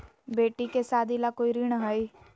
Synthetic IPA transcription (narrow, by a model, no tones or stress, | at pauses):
beːʈikesaːd̪ilakoːiɾiɽ̃ɦəi